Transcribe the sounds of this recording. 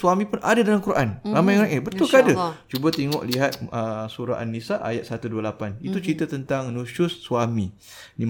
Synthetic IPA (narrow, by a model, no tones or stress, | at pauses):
swamĩpʊnadadalankuɾʔanramãjŋɾaʔət̪̚bət̪ʊlkaadat͡ʃubət̪eŋɔ̰ʔliɦat̪̚əsuɾaʔanːisaʔa̰jat̪̚sat̪uduəlapanit̪ut͡ʃɾit̪at̪ənt̪aŋnusʊsːuamĩ | di